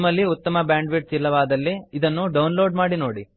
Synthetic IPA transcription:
mɐlːiut̪ːɐmɐbjaːɳɖʋiʈsilːɐʋaːd̪ɐlːiid̪ɐnːuɖɐwnloːɖmaːɽino̞ːɽi

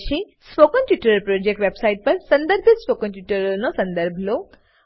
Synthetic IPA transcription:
ʃi | spokənʈjuʈəɾəlpɾod͡ʒek̚ʈʋebsaiʈ̚pɐɾsɐ̃nd̪əɾbʱispokənʈjuʈəɾɐlnɔsɐ̃nd̪əɾbʱlo

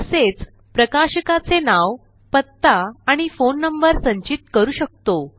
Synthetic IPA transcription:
əset͡s | pɾəkaɕəkat͡senaʋ | pət̪ːaaɽ̃ifonːəmbəɾsə̃ɲt͡ɕit̪kəɾuːɕək̚t̪o

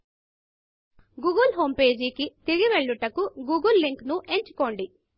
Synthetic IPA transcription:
ɡuːɡɐlɦo̞ːmpe̞ːd͡ʒikit̪iɡiʋe̞ɭːuʈɐkuɡuːɡɐlːiŋknuʔe̞ɲt͡ʃu̥ko̞ːɳɖi

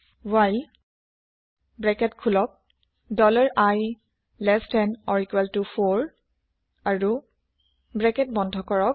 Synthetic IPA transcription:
wajl | bɹɛkɛtkʰulɔk̚ | dɔlaɹaj | lɛstɛnɔɹikwɛltufʰoɹ | aɹu | bɹɛkɛt̚bɔndʱɔkɔɹɔk

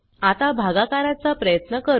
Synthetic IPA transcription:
at̪abʱaɡakaɾat͡sapɾəjət̪nəkəɾ

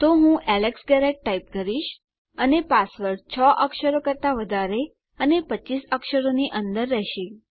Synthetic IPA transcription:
t̪oɦũʔɛleksɡɛɾeʈ̚ʈaip̚kəɾiʃ | ənepasʋəɾt͡ʃʰɔʔəkʃəɾokəɾt̪aʋəd̪ʱaɾe | ənepət͡ʃisəkʃəɾoniʔənd̪əɾːɛɦʃi

